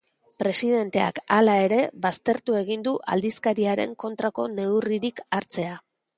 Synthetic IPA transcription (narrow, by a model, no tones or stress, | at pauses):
pɾe̞siðe̞nt̪e̞a̰kalae̞ɾe̞βast̪e̞ɾt̪ue̞ɣind̪uʔa̰ld̪iskaɾiaɾe̞̰ŋko̞nt̪ɾako̞ne̞wriɾikaɾt͡se̞a